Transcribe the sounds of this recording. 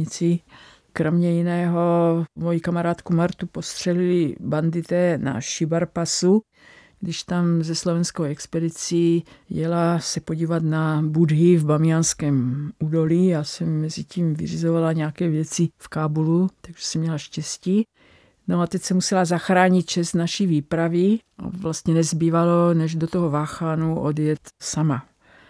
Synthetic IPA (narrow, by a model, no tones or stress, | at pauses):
ɲɪt͡sɪ | kɾomɲɛjinɛːɦomojikamaɾaːt̪kumaɾt̪upo̞st̪r̝̥ɛlɪlɪband̪ɪt̪ɛna̰ʃɪbaɾpasu | ɡdɪʃt̪amzɛslo̞vɛnskowɛkspɛdɪt͡sijɛlasɛpo̞ɟiːvat̪nabudɦɪvbamɪanskɛːmuːdo̞liːjaːsɛmːɛziciːmvɪ̰r̝izovalaɲɛakɛːvjɛt͡sɪfkaːbulut̪aɡʒɛsɛmɲɛlaʃcɛsciː | noat̪ɛcsɛmusɛlazaxɾaːɲit̪̚t͡ʃɛst̪naʃiviːpɾavɪʔa̰vlast̪ɲɛnɛzbiːvalonɛʒdot̪oɦovaːxaːnuʔodjɛt̪sama